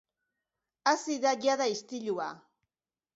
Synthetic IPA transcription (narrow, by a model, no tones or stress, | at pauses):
asɪd̪ajaðaist̪ɪʎuwa̰